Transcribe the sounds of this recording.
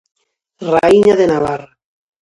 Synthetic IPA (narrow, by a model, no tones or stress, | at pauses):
raiɲaðenaβara